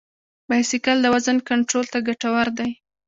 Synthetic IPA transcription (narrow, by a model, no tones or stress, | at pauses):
bajsɪkald̪əwazankaɳʈɾolt̪aɡaʈawaɾd̪aj